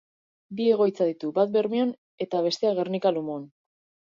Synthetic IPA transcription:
bie̞ɣ̞o̞jt͡saðit̪ubat̪̚be̞ɾmio̞n | e̞t̪aβ̞e̞st̪e̞aɣ̞e̞ɾnikalumon

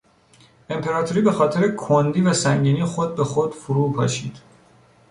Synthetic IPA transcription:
e̞mpʰe̞ɾɒːt̪ʰoɾiːbe̞xɒːt̪ʰe̞ɾekʰond̪iːvæsæŋɟiːnixod̪̚be̞xod̪̥fuɾuːpʰɒ̰ːʃiːd̪̥

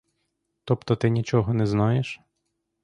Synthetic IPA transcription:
t̪ɔpt̪ɔt̪ɪnʲit͡ʃɔɦɔnɛznɑjeʃ

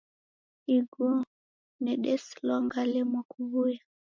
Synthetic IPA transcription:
iɡu | nɛɗɛslɔŋɡalɛmwakuβuja

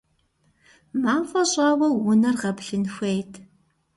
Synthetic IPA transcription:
maːmfʼɐɕʼɑːwɐwʊnɐrʁɐpɬɨnxʷejtʰ

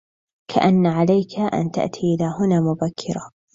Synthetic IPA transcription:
kʰa̰ʔanːaʕalajkʰaʔa̰nt̪a̰ʔt̪ʰiːʔɪlaːhʊnaːmʊbakʰːɪɾa

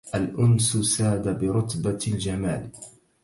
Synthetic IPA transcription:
ʔalʔʊnsʊsaːd̪abɪɾʊt̪bald͡ʒamaːl

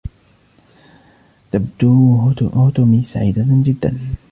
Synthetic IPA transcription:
t̪abd̪uːhʊt̪ʊmisaʕiːd̪ad͡ʒɪd̪ːa̰n

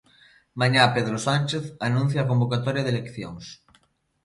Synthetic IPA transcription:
maɲapeðɾosanʲt͡ʃeθanũn̟θjaːkõmbokat̪oɾjaðelekθjo̰ŋs

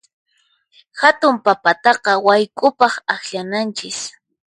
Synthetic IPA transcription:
hat̪ʊmpapat̪ɑqɑwajkʼʊpɑχaxʎanant͡ʃɪs

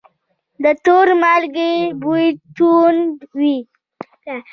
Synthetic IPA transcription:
d̪ət̪oɾmalɡebut̪unwi

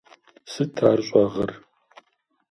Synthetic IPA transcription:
sɨtʰaːrɕʼɔʁɐr

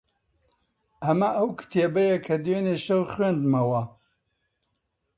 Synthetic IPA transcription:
ɐmɐʔɐwkɨ̥t̪ʰebɐjɐkʰɐd̪weneʃɐwχwend̪mɐwɐ

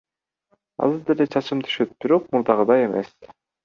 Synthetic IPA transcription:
ɑ̰zɯɾd̪elet͡ʃʰɑt͡ʃɯmt̪ʰy̥ʃøt̪̚b̥iɾo̞q̚muɾd̪ɑʁɯd̪ɑje̞mḛs

